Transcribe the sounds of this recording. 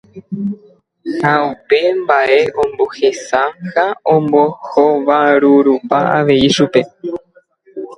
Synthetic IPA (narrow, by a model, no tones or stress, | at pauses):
haupe̞mbaʔe̞ʔõ̞mbo̞he̞sahaõmbohoʋaɾuɾupaa̰ʋe̞iʃupe̞